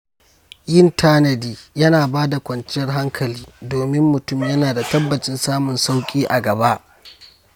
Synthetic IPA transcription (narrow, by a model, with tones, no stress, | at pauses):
jɪ˦ntʰaː˦nɐ˨diː˦jɐ˦naː˨baː˦da˨kʷʼɐ˨nt͡ʃɪ˦jɐ˦rɦa˦ŋkʰɐ˨liː˦doː˨mɪ˦mːʊ˨tʊ˦mjɐ˦naː˨da˨tɐ˦bːɐ˨t͡ʃɪ˦nsaː˦mʊ˨nsa˦wkʲʼiː˦ʔa˨ɡɐ˨ba˦ʔ